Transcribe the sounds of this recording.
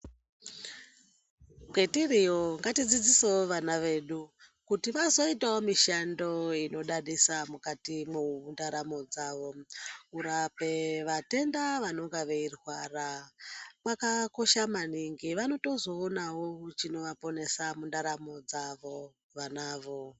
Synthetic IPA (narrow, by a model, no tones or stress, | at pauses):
ɡʱetirioŋɡatid͡zid͡zisewoʋanaʋe̞ːɗu | kutiʋazo̞itawomiʃando̞ino̞ɗaɗisamukatimundaɾamo̞d͡zaːʋo̞uɾape̞ʋate̞ndaʋano̞ŋɡaʋeirwaːra | makako̞ʃamaniŋɡiʋano̞to̞zo̞ːnawot͡ʃino̞ʋapo̞ne̞samundaɾamo̞d͡zaʋo̞ | ʋanaːʋo̞